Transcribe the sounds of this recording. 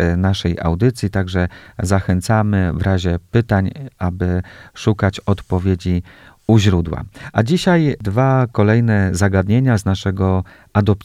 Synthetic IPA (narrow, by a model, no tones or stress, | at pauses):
naʂɛja̰wd̪ɘt̪sʲjit̪aɡʐɛzaxɛnt̪samɘvɾaʑɛpɘt̪aɲʔabɘʂukat͡ɕɔt̪pɔvʲjed͡ʑi | uʑɾud̪wa̰ʔad͡ʑiɕajd̪vakɔlɛjnɛzaɡad̪ɲeɲaznaʂɛɡɔ | ad̪ɔp̚